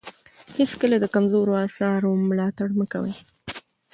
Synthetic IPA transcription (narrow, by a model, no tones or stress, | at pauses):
heskəlad̪əkamzoɾoɑsɑɾomlɑt̪aɽnəka̰wə̰j